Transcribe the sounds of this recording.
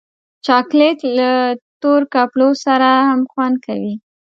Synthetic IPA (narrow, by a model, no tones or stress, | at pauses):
t͡ʃɑklet̪lat̪oɾkɑplosaɾahamxwand̪̚kawi